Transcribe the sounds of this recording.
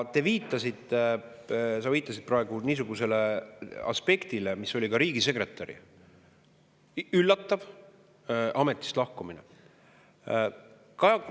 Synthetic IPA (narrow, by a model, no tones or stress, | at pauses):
t̪e̞viːt̪ːˑɑsit̪ːˑe | sɑviːt̪ˑːɑsid̪̥̚prɑe̞ɡ̥uniːs̬uɡ̥use̞leɑ̰spe̞kt̪ilemiso̞lʲikɑɾiːɡ̥ise̞kre̞t̪ːˑɑɾḭ | ylːɑt̪ːɑv | ɑme̞t̪ːˑi̥st̪lɑhkuminḛ | kɑ